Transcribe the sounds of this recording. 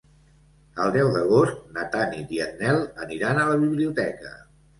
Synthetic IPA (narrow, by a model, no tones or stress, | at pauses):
əlˠd̪ɛwðəɣ̞ost̪nət̪anid̪iəd̪nɛlˠəniɾanələβiβliut̪ɛkə̰